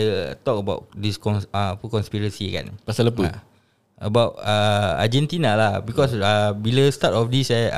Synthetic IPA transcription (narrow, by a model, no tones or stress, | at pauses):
t̪ɔkəbaʊt̚diskɔnapəkɔ̃nspiɹəsika̰npasaləpua | əbawtaa̰d͡ʒɛ̃nt̪inalabikɔsabiləst̪atɔfdisa